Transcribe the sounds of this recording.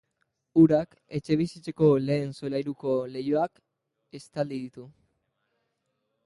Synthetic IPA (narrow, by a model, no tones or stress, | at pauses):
uɾak | e̞t͡ʃe̞β̞isit͡se̞ko̞le̞ːnso̞lajɾuko̞le̞joak | e̞st̪ald̪iðit̪u